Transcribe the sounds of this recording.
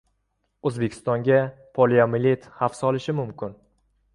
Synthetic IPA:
ɵzbekʲʰɪ̥st̪ɒŋɡʲapʰoliamɪlʲet̪hafsɒlɪʃɪmʊmkʲɪn

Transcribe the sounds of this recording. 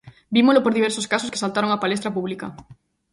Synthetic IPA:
bimolopoɾðiβeɾsoskasoske̥salt̪aɾoŋapalest̪ɾapuβ̞lika

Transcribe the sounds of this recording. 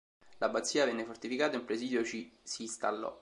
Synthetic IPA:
labːat̪sːiːavɛnːefort̪ifikaːt̪aimpɾesiːd̪jot͡ʃisiːst̪alːɔ̰

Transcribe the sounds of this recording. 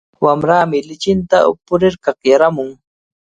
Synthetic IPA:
wamɾaːmɪlɪt͡ʃɪnt̪aʊ̰pʊɾɪɾkɑχjaɾamʊŋ

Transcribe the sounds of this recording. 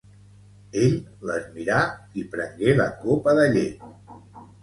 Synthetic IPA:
eʎləzmiɾaipɾəŋɡeləkopəðəʎe

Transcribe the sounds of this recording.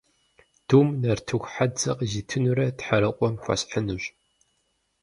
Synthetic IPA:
d̥uːmnɐrtʰɨxʷħad͡zɐqʼziːtʰɨnuɾɐtħɐɾɐqʷɔmxʷɐ̰ɕħənuɕ

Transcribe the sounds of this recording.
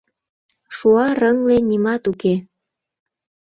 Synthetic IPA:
ʃuɑɾəŋlenimɑt̪uke

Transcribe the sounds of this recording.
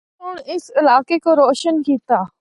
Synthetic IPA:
ʊɳ̃ɪsɪlaːkekoɾoːʃənkiːt̪aː

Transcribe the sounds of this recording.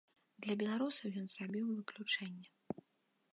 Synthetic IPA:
d̪lʲɐbʲɛlˠaɾusɐwjɔnz̥rabʲiwvɨklʲut͡ʂɛnʲːɛ

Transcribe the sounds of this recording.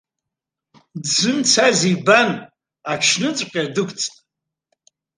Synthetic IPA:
dzɨnt͡sʰaziban | akʰʃnɨt͡sʷʼqʲʼadɨkʷʼt͡sʰʼtʼ

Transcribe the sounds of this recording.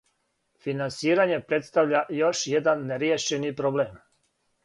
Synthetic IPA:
finansiːɾaɲe̞pɾe̞t̪st̪aʋʎajo̞ʃjed̪anːeɾjeːʃenipɾobleːm

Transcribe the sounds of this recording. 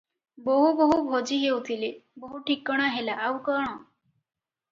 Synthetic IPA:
boɦuboɦubʱod͡ʒiɦewt̪ʰileboɦuʈʰikɔɽ̃aɦelaʔːwkɔɽ̃ɔ

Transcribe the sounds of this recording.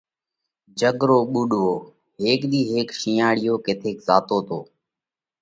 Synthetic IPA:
d͡ʒəɡɾoːɓʊɗɦoː | ɦeːkɗ̪iːɦeːkʃiːaːɽɪjoːkeːt̪ʰeːkzaːt̪oːt̪ʰoː

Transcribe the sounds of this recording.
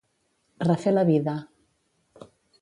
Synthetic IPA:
rafelaβiða

